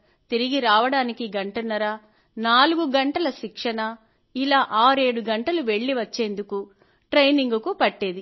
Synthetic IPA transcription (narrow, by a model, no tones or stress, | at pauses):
t̪iɾiɡiɾaːʋɐɽaːnikiɡɐɳʈɐnːɐɾɐ | naːluɡuɡɐɳʈɐlɐʃikʂɐnɐ | ilaːʔaːɾe̞ːɽuɡɐɳʈɐluʋe̞ɭːiʋɐt͡ʃːe̞ːnd̪uku | ʈɾejniŋɡukupɐʈːeːd̪i